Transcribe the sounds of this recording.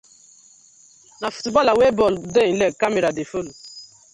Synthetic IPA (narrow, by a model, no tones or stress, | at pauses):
nafu̥tubalawebɔlden̩lekameɾadefolu